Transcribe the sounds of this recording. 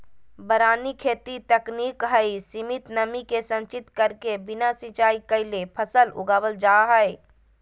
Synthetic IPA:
bəɾaːnikʰeːt̪it̪əknikɦəisimɪt̪nəmikesə̃nt͡ʃɪt̪kəɾkebɪnasɪ̃t͡ʃaːikəɪlepʰəsəlʊ̰ɡaːwəld͡ʒaɦəj

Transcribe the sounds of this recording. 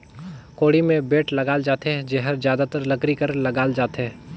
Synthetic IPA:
koːɽimẽbeːʈlɐɡaːld͡ʒaːt̪ed͡ʒeɦəɾzjaːd̪at̪əɾlɐkɾikəɾlɐɡaːld͡ʒaːt̪ɦɛː

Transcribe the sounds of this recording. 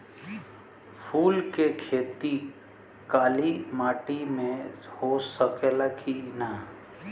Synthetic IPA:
pʰuːlkekʰeːt̪i | kaːlimaːʈimẽhosəkelakʰina

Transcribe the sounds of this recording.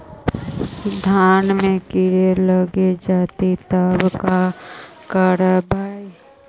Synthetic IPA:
d̪ʱaːnmẽkɪɾeləɡed͡ʒaːt̪it̪əbkakəɾəbʱaːi

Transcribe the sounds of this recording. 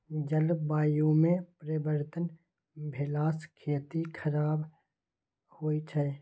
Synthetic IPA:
d͡ʒəlbaːjũmẽpɾəbəɾt̪ən | bʱelaːskʰeːt̪ikʰəɾaːb | hoːit͡ʃʰɛ

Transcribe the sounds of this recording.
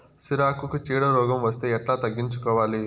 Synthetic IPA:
siɾaːkukut͡ʃiːɽɐɾɔːɡɐmʋɐst̪e̞ːɛʈlaːt̪ɐɡːiɲt͡ʃukɔːʋaːli

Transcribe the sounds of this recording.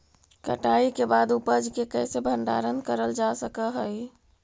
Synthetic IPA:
kə̰ʈaikebad̪upəd͡ʒkekɛɪsebʱəɳɖa̰ɾənkəɾəld͡ʒasəkəɦəj

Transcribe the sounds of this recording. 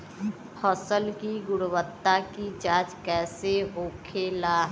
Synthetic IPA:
hʰɔsəlkiɡʊɽwət̪ːakid͡ʒaːt͡ʃkɛːseoːkʰelaː

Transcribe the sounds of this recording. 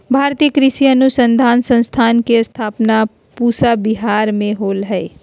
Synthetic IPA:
bʱaːɾt̪ijəkɾɪsiənusə̃nd̪ʱaːnsə̃nst̪ʰaːnkest̪ʰaːpna | puːsabiɦaːɾmẽɦoːlɦɛɪ

